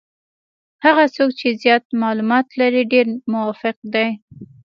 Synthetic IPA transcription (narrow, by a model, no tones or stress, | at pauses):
haɣat͡sok̚t͡ʃezjɑt̪̚mɑlumɑt̪laɾiɖeɾmʊwɑfɪq̚d̪aj